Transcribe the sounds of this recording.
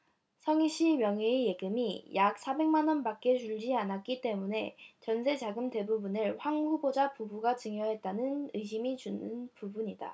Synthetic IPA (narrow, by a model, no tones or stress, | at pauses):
sʰʌŋiɕ͈ʰimjʌŋeeje̞ɡɯmijak̚s͈ʰabe̞ŋmanʌnpak͈̚e̞t͡ɕuʎd͡ʑianat̚k͈it͈e̞mune̞t͡ɕʌnsʰe̞t͡ɕaɡɯmte̞bubunɯɭɸwaŋɸubod͡ʑapubuɡat͡ɕɯŋjʌɦe̞t̚t͈anɯnɯɕʰimit͡ɕunɯnpubuɲida̰